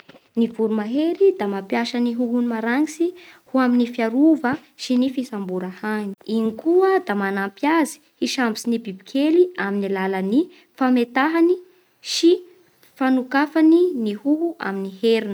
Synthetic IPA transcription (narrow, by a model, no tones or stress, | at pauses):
nivuɾumaɦeɾid̪amapjaʃaniɦuɦunimaɾaŋisihuaminifjaɾuvəʃinifisambuɾahani̥inikuəd̪amanampjazi̥hiʃambisinibibikʰeliaminilaləni | famet̪aɦani | ʃi | fanukafaninihuɦua̰miniheɾinə